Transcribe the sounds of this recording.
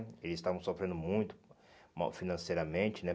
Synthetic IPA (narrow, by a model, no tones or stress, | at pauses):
elɪzɪst̪avɐ̃w̃sofɾẽnd̪ʊmũj̃t̪ʊ̥ | ma̰finɐ̃sejɾɐmẽnt͡ʃɪnɛ